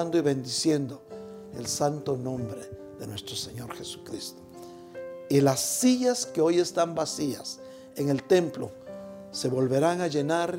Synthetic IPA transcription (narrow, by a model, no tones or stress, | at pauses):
nd̪oiβe̞nd̪isje̞nd̪o | ḛlsant̪onõ̞mbɾe | ðe̞nwe̞st̪ɾo̞seɲo̞ɾxesu̥kɾist̪o̥ | ilasːiʝaskeo̞je̞st̪ambasias | eŋe̞lt̪e̞mplo | se̞βo̞lβe̞ɾaŋaʝe̞naɾ